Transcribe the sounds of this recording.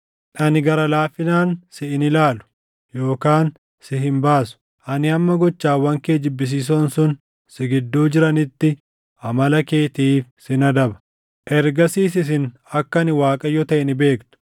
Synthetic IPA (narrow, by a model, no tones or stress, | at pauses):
ʔɐnɪɡɐɾɐlaːfːɪnaːnsɪɪnɪlaːlʊ̥ | jo̞ːkaːn | sɪɦɪmbaːsʊ̥ | ʔɐnɪhɐmːɐɡɔt͡ʃːaːwːɐŋkeːd͡ʒɪbːɪs̬iːs̬ɔnsʊn | sɪɡɪd̪ːuːd͡ʒɪɾɐnɪt̪ːɪ | ʔɐmɐlɐke̞ːt̪iːfsɪnɐd̪ɐbɐ̥ | ʔɛɾɡɐsiːs̬ɪs̬ɪn | ɐkːɐnɪwaːkʼɐjɔt̪ɐʔɛnɪbe̞ːkt̪ʊ̥